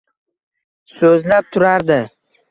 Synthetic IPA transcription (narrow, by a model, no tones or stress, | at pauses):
sɵzlap̚t̪ʰʊɾaɾd̪ɪ